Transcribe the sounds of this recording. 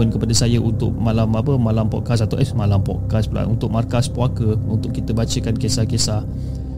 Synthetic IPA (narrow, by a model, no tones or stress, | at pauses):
ənkəpadəsajəʔunt̪ʊ̰ʔ̚malamapəmãlampɔ̰ʔkasat̪awʔɛsmalampɔ̰ʔkaspəla̰ʔunt̪ʊk̚markaspuakəunt̪ʊʔkːit̪əbat͡ʃəkankesahkesah